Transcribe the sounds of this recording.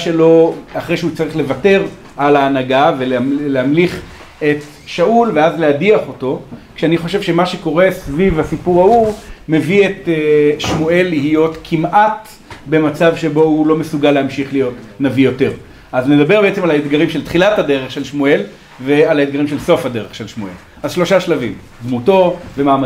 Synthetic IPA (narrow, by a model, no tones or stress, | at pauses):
ʃe̞lo̞aχʁejʃeut͡saʁiχle̞vate̞ʁ | ʔalaːnaɡaveleleamliχ | et | ʃaulve̞azleadiaχo̞to̞kʃeaniχo̞ʃevʃe̞maʃe̞ko̞ʁe̞svivhasipuʁaume̞vieteʃmue̞lːihijo̞tkʰimʔat | be̞mat͡savʃe̞bo̞ulo̞mesuɡalːeamʃiχlijo̞t | navijo̞te̞ʁ | azned̪abe̞ʁbeet͡se̞malaet̪ɡaʁimʃe̞lt̪χilathade̞ʁeχʃe̞lʃmue̞l | vealaet̪̚ɡaʁimʃe̞lso̞fhade̞ʁeχʃelʃmue̞̰l | azʃlo̞ʃaʃlavim | d̪muto̞vemaːma